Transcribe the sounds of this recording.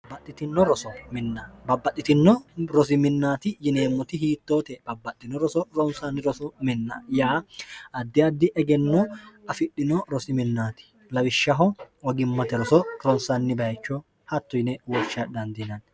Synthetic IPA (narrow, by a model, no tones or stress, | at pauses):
bɐt̪ʼːɪt̪ɪnːɔɾɔsɔmɪnːɐbɐbːɐt̪ʼːɪt̪ɪnːɔɾɔs̬ɪmɪnːaːt̪ɪjɪneːmːɔt̪ɪɦiːt̪ːo̞ːt̪ɛb̥ɐbːɐt̪ʼːɪnːɔɾɔsɔɾɔnsanːɪɾɔsɔmɪnːɐ̰jaːɐd̪ːɪɐd̪ːɪʔɛɡɛnːɔɐfɪɗːɪnɔɾɔsɪmɪnːaːt̪ɪ̥ | lɐwɪʃːɐɦɔ | ɔɡɪmːɐt̪ɛɾɔsɔɾɔnsɐnːɪbɐjt͡ʃːɔ | hɐt̪ːʊjnɛwɔt͡ʃːɐd̪ɐnd̪ɪnɐn